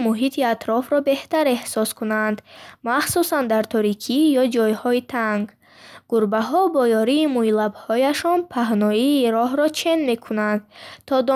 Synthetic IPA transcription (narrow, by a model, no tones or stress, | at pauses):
muɦit̪ʰiat̪ʰɾɔfɾɔbe̞ht̪aɾe̞hsɔskunand̪maχsusand̪aɾt̪ʰɔɾikʰijɔd͡ʒɔjhɔit̪ʰaŋɡ | ɡuɾbaɦɔbɔjɔɾiːmuilabhɔjaʃɔnpʰaɦnɔiːɾɔɦɾɔt͡ʃʰe̞nme̞kʰunand̪t̪ʰɔd̪ɔ